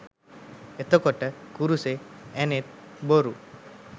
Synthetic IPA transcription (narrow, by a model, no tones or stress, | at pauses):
et̪okɔʈəkuɾuseɛnet̪̚boɾṵ